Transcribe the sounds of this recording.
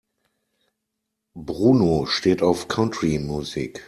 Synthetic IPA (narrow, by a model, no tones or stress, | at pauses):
bʁuːnoʃteːtaʊfkʰantɹimjuzḭːk